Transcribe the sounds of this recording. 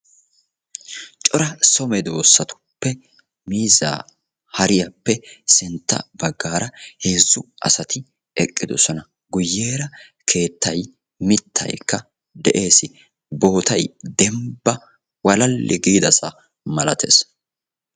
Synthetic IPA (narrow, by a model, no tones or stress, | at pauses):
t͡ʃʼɔɾɐsɔmɛd̪o̞ːsːɐt̪ʊ̥pːɛ | miːza̰ː | hɐɾɪjɐpːɛsɪnt̪ːɐ̰bɐɡːaːɾɐheːzːʊʔɐ̰sɐt̪ɪ | ɛkʼːɪd̪ɔsɔnɐ | ɡʊjːe̞ːɾɐ | kʰe̞ːt̪ːɐj | mɪt̪ʰːɐ̰jkːɐ | d̪ɛʔe̞ːsɪ | bo̞ːt̪ɐjd̪ɛmbɐ | wɐlɐlːɪɡiːd̪ɐsɐ | mɐlɐt̪ʰḛːs